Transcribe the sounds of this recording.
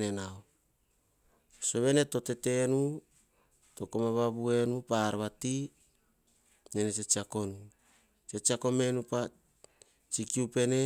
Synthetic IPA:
nenao | so̞βe̞ne̞to̞te̞te̞nu | to̞komaβaβue̞nupaɾβati | nenet͡ʃet͡ʃiako̞nu | t͡ʃet͡ʃiako̞me̞nupa | t͡ʃikiupe̞ne

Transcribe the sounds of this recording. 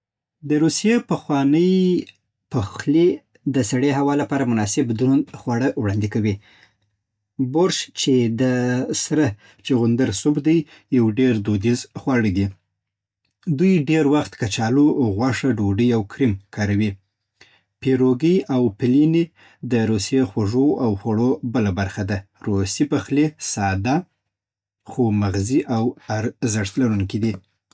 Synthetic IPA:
d̪əɾusijepəxwɑnəj | pəxle | d̪əsaɽeɦawɑlapɑɾamʊnɑsɪbd̪ɾunxwaɽəwɽɑnd̪ikawi | boɾʃt͡ʃed̪əsɾə | t͡ʃeɣʊnd̪əɾsubd̪aj | jawɖeɾd̪od̪izxwɑɽəɡ̪i | d̪ujɖeɾwaxt̪kat͡ʃɑloɣwɑʂaɖoɖəjawkʰɾimkʰɑɾawi | peɾoɡəjʔawpɪline | d̪əɾusjexwaʐoawxwaɽobəlabaɾxad̪aɾosipaxlesɑd̪a | xomaɣziʔawaɾzəʂt̪laɾuŋkid̪i

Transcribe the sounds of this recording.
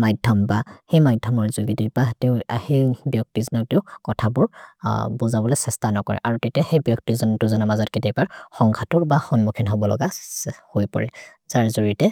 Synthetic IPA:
majdʱɔmbaxejmajdʱɔmɔɹzuɡidibateʊhejbjɔk̚tizɔnɔk̚teʊkɔtʰabʊɹbozabɔlɛsɛstanɔkɔ̰ɹɛ̰ʔaɹutetiaxejbjɔktizɔntʊzɔnamazɔtketiabaɹxɔŋkʰatʊɹbaxɔnmukʰinɦɔbɔlɔ̰ɡahojpɔ̰ɹɛ̰ | zaɹzoɹitɛ

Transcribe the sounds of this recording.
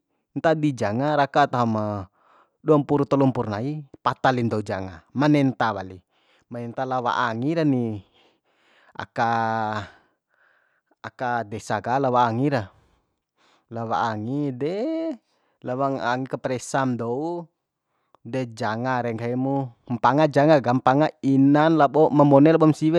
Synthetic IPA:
nt̪adid͡ʒaŋaɾakat̪aɦama | duampuɾut̪ɔlumpurnaipat̪alindɔud͡ʒaŋa̰manɛnt̪awali | manɛnt̪alawa̰ʔaŋiɾani | a̰ka | kadɛsaɡalawaːŋiɾa | lawa̰aŋidɛ | lawaŋaŋikapɾɛsamdɔu | dɛd͡ʒaŋaɾɛŋkaimumpaŋad͡ʒaŋaɡampaŋainanlabɔmamɔnɛlabɔmsiwɛ

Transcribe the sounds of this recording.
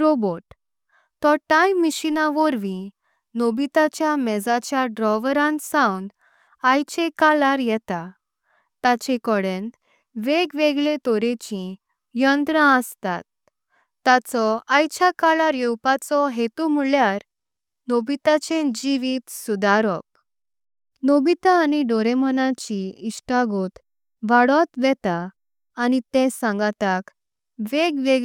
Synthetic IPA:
ɾoboʈ | t̪ɔʈajmiɕinaʋɔɾʋĩ | nobit̪at͡ɕjamɛd͡zat͡ɕjaɖɾɔʋɾãnsãwnd̪ | ajt͡ɕekalaɾjɛt̪a | t̪at͡ɕekɔɽen | ʋeɡʋeɡlet̪ɔɾet͡ɕĩ | jənd̪ɾãəst̪a̰t̪ː | at͡sɔajt͡ɕʰakalaɾjewpat͡sɔɦet̪umuljaɾ | nobit̪at͡ɕẽd͡ʑiʋit̪sud̪aɾɔk̚ | nobit̪aːniɖɔɾemənat͡ɕiiɕʈaɡot̪ | ʋaɽɔt̪ʋɛt̪aː | nit̪ɛ̃sãŋɡat̪ak | ʋeɡʋeɡ

